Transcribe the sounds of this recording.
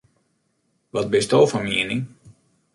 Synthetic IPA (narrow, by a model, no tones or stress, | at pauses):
ʋɔt̚bɪstoːfɔmiəni